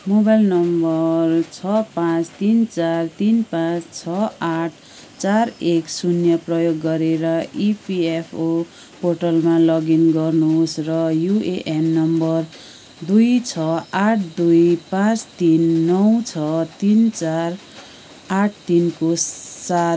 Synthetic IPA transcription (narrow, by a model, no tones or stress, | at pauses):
mobajlnʌmbʌrt͡sʰʌpãt͡st̪int͡sart̪inpãt͡st͡sʰʌaʈʰ | t͡sareksunjʌprʌjoɡːʌɾeɾʌʔipiepʰo | porʈʌlmalʌɡinɡʌrnusrʌjuʔeʔemnʌmbʌr | d̪ujt͡sʰʌaʈʰd̪ujpãt͡st̪inːʌwt͡sʰʌt̪int͡sar | aʈ̚ʰt̪inkosa